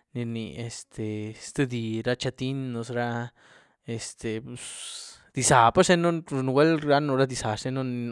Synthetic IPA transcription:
ni˧nḭ˨e˨st̪ʰe˨st̪ɨ˧d̪i˨ɾa˧t͡ʃa˧t̪i˦nːo˧s̬ɾa˦˧ | e˨st̪e˨pu˨˧s | d̪̥i˧sa˨pa˦ʃe˦no˦˧nu˧wʷe˦lɾa˦no˧ɾa˦d̪i˧sa˨ʂe˦no˦ni˧

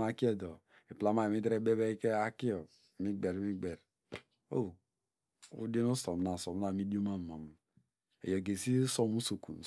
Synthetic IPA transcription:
a˨˦ki˦ɛ˦dɔ˨ | e˨pla˦ma˦e˨mi˦dɾe˦be˦be˦ke˦a˦ki˦ɔ˨ | mi˦ɡ͡be˨ɾmi˦ɡ͡be˨ɾ | o̰˦˨ | ṵ˦de˦no˦so˨m˨na˨so˨m˦na˨mi˦di˦o˦ma˦˨ma˨m˨ | ḛ˨jo˨ɡe˨si˦so˦mu˦so˨kṵ˨n˨

